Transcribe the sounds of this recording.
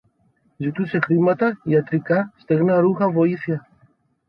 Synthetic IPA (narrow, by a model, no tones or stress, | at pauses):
zit̪use̞xɾimɐt̪ɐiɐt̪ɾikɐst̪e̞ɣnɐɾuxɐvo̞iθiɐ